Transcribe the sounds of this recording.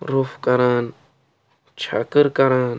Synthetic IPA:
ɾufkaɾaːn | t͡ʃʰa̰kəɾkaɾan

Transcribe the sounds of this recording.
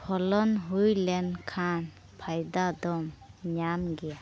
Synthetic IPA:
pʰɔlɔnɦujlɛnkʰan | pʰajd̪ad̪ɔmɲamɡɛja

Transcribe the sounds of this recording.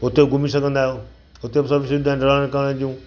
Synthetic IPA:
ʊt̪ebɡʱʊmisɐɡʱə̃nd̪aːɦjoː | ɦʊt̪ebsɐbʱiʃɐd̪aːɪ̃ɖɐlãːkəɽ̃əd͡ʑiũː

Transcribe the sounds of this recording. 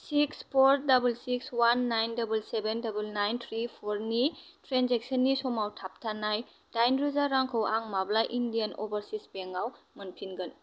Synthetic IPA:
sikspʰoɾdɐbulsikswanːajndɐbulsebendɐbulnajnt̪ʰɾipʰoɾnitɾenzek̚sənːisɔmawtʰap̚tʰanaj | d̥ajnɾuzaɾaŋkʰɔwaŋmablajʔindijɐnɔ̰bɐɾsispeŋaw | mɐnpʰinɡɐn

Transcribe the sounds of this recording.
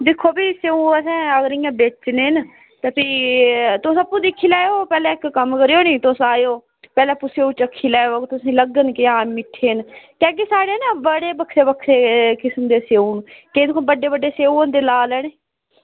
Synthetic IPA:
d̪ɪkʰːoːbiːseːũːəsɛ̃ːəɡəɾɪjãːbet͡ʃneːn | t̪əpiːt̪ʊsəpːũːd̪ɪkʰːiːlɛːoːpɛːlɛ̃ːɪkːəmkəɾijoːniːt̪ʊsaːjoː | pɛːlɛ̃ːpʊseoːut͡ʃəkʰːiːlɛːoːkt̪ʊsĩːləɡənkɪaːmɪʈʰːeːnkɛ̃ːk̬isaːɽeːnabəɽeːbəkʰɾeːbəkʰɾeːkɪsəmd̪eːseːũːnked̪ɪkʰõbəɖeːbəɖːeːseːũõnd̪eːlaːlɛːɽeː

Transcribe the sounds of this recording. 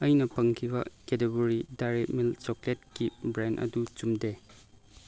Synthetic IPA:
ɐjnɐpɐŋkʰibɐ̰keteɡuɾidajɾet̚milt͡ʃoklet̚kibɾandɐ̰dut͡ʃumde

